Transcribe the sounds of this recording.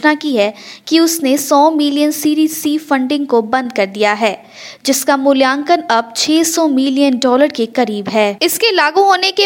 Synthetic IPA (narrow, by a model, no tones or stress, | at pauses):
nakiɦɛkiʊsnesɔːmɪlijənsiːɾiːsiːfɐ̃ɳɖɪ̃ŋɡkobɐ̃nd̪̚kɐɾd̪ijaɦɛː | d͡ʒɪskamʊljãːŋkənɐb̚t͡ʃʰɛːsɔːmɪlijənɖɔːləɾkekɐɾiːbɦɛːɪskelaːɡũɦoːneke